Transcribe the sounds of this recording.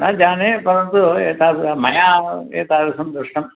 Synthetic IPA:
naːd͡ʒaːnepɐɾɐnt̪uɛːt̪aːɾmɐjaːeːt̪aːɾɐsɐmd̪ɾuʂʈɐm

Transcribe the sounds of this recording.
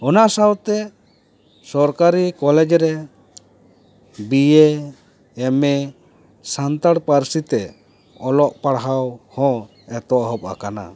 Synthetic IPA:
ɔnaʔsawt̪ɛ | sɔɾkaɾikɔlɛd͡ʒɾɛ | bijeː | mɛ | sant̪aɽpaɾsit̪ɛ | ɔlɔʔpaɽɦawhɔ̃ | ɛt̪ɔʔɦɔb̚a̰kana̰

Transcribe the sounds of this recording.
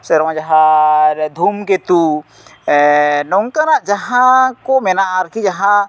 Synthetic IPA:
sɛɾwãd͡ʒɐɦã | d̪ʱumket̪u | nɔŋkanaʔd͡ʒɐɦãkomɛnaːɾkid͡ʒɐɦã

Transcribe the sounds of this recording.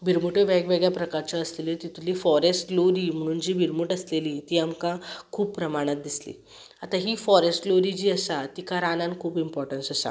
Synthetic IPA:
bʱiɾmuʈəʋɛɡʋeɡjapɾəkaɾt͡ɕaəslelet̪it̪ulifɔɾesʈloɾiːm̤əɽ̃uːnd͡ʑiːbʱiɾmuʈəslelit̪iːamkãkʰuːbpɾəmaɽ̃at̪̚d̪islḭ | at̪aɦifɔɾesʈloɾid͡ʑiːəsat̪ikaɾanãnkʰuːbimpɔɾʈənsəsa̰

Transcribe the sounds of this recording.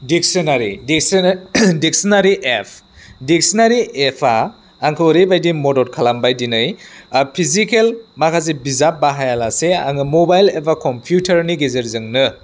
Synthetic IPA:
dik̚sɔnaɾidiksdik̚sinaɾiʔepʰ | dik̚sinaɾiepʰaː | ŋkʰɯwɾebajdimodɔɾkʰalambajdinɯjpʰizikelmakʰazebizabaɦajalasea̰ŋɯmobajlepʰakʰɔmpʰjutʰaɾniɡezeɾzɯŋnɯ

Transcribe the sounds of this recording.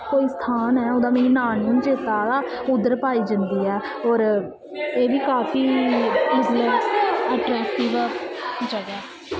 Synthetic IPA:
koːiːst̪ʰaːnɦɛːʊd̪ãːmeːnĩːnaːnːũt͡ʃeːt̪aːd̪aː | ʊd̪əɾpaːiːd͡ʒənd̪iːɛː | ɔːɾ | eːʋiːkaːfʰiːɪzləsəːʈɾɛːk̚ʈɪʋ | d͡ʒaːd͡ʒaː

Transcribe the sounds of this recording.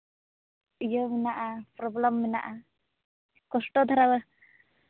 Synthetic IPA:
ijəminaʔapɾɔbləmːina̰ʔa | kɔsʈɔt̪ʰaɾawə

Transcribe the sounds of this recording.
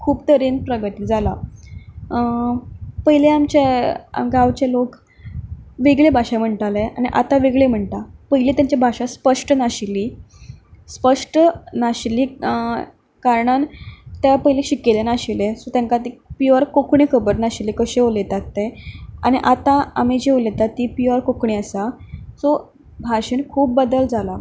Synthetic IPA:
kʰuːpt̪əɾenpɾəɡət̪iːd͡zʱala | pəɦjileamt͡ɕḛɡaʋt͡ɕalok | ʋeɡɭebʱaɕam̤əɳʈ̪aleañiʔa̰t̪aʋeɡɭem̤əɳt̪apəɦilet̪jaɲt͡ɕabʱaɕaspəʂʈənaɕiliː | spəʂʈənaɕiliː | kaɾɳant̪japəjleɕikelenaɕilesot̪jãŋkat̪ipiʋəɾkokɳikʰəbəɾnaɕilikəɕeolet̪at̪ːeañiʔat̪ãamid͡ʑeolet̪at̪ːiːpiʋəɾkokɳiəsasɔ | bʱaɕenkʰuːp̚ːəd̪əld͡zala

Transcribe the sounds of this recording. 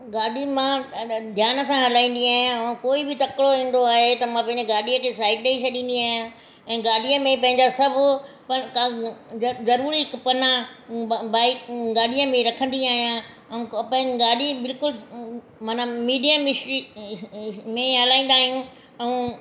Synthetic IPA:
ɡaːɗimãd̪ʱjaːnə̆sãɦɐlaːĩːn̆d̪iaːɦijãkoːibɪt̪ɐkɽoɦĩːn̆d̪oaːɦet̪ɐmãpɐ̃ɦɪ̃ɲd͡ʑɪɡaːɗijə̃kʰeːsaːɪʈɗeiʃʰɐɗĩːn̆d̪iaːɦijã | ɛ̃ːɡaːɽijəmẽpɐ̃ɦɪ̃ɲd͡ʑasɐbʱʊ | pɐka | zɐɾuːɾiɦɪkpɐna | baːɪkɡaːɗiə̃mẽɾɐkʰə̃nd̪iaːɦijã | ɛũpɐ̃ɡaːɗibɪlkʊl | maːnamiːɖijamɪsi | mẽɦɐlaːĩnd̪aːɦijũ | ɛũː

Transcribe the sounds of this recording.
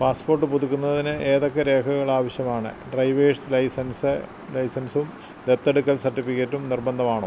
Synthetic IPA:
paːspo̞ːrʈːɨpuðukʲːunːɐðinɨʔeːðokːeɾe̞ːkʰɐɣɐɭaːʋɐɕjɐmaːɳɨ̰ɖrɐjʋeːɖslɐjsɐnsɨ | lɐjsɐnsum | d̪et̪ːeɽukːɐlsɐrʈːifikːetːumnirbɐnd̪ʱɐmaːɳoː

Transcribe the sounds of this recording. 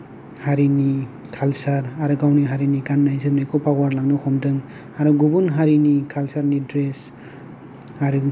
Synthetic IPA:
haɾini | kʰalsaɾaɾɯɡawniɦaɾinikanːajzɯmnajkʰɔpawaɾlaŋnɔkʰɔmdɯŋ | aɾuɡubunɦaɾinikʰalsaɾnidɾes | aɾɯ

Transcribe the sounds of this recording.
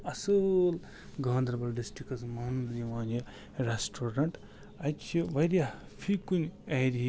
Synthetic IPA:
ɐsɨl | ɡʱɐːnd̪ɾɐbɐɾɖisʈɾikɐsmɐnniʋaːni | ɾesʈʰoːɾɐɳʈ | ɐt͡ʃʰiʋɐɾja | pʰikunʲɐɾiɦi

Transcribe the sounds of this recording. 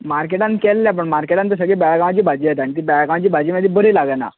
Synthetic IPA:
maɾk̬eʈãnkɛlːjap̬əɳmaɾkeʈant̪əs̬əɡɭebaɭaɡãʋ̃at͡ɕiːbʱad͡ʑiːjet̪aɳ̃it̪̬ibaɭaɡãʋt͡ɕiːbʱad͡ʑimad̪ʱibəɾilaɡəna̰

